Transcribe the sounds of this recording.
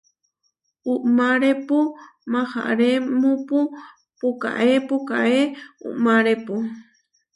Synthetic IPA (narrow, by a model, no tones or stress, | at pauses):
uʔmaɾepumaha̰ʔɾemupu | puka̰ʔepuka̰ʔeṵʔmaɾepu